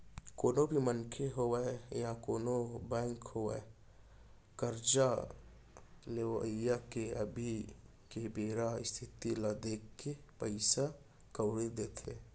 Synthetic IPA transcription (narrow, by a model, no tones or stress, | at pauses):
koːnobʱimənkʰeɦowejakoːnobɛ̃ːŋkhoḛ | kəɾd͡ʒa | leʋjakeəbʱi | kebeːɾaɪst̪ʰɪt̪ilad̪eːkːepəɪsa | kəwɽed̪eːt̪ʰe